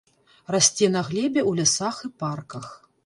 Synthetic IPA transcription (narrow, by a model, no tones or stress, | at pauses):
rasʲt͡sʲɛnɐɣlʲɛbʲɛwlʲɛsaxɨparkɐx